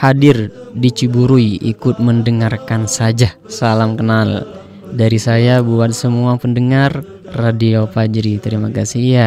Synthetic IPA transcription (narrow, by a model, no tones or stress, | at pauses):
hadirdit͡ʃibuɾuiḭkʊt̪̚məndəŋarkansad͡ʒa | salamkənal | daɾisajabuat̪̚səmuapəndəŋarː | adiapad͡ʒɾit̪əɾimakasia